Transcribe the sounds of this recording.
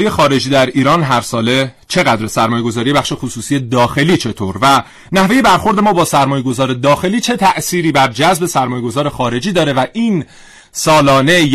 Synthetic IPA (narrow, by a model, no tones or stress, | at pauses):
ijexɒːɾe̞d͡ʒiːd̪æɾiːɾɒːnɦæɾsɒːle | t͡ʃʰe̞ɣæd̪ɾesæɾmɒːje̞ɡo̞zɒːɾijeæχʃe̞xusuːsiːed̪ɒːxe̞liːt͡ʃʰe̞t̪ʰoːɾvæ | næhve̞je̞bæɾxo̞ɾd̪e̞mɒːbɒːsæɾmɒːje̞ɡo̞zɒːɾed̪ɒːxe̞liːt͡ʃʰe̞t̪ʰæʔsiːɾiːbæɾd͡ʒæzbe̞sæɾmɒːje̞ɡo̞zɒːɾe̞xɒːɾe̞d͡ʒiːd̪ɒːɾe̞væʔiːn | sɒːlɒːne̞j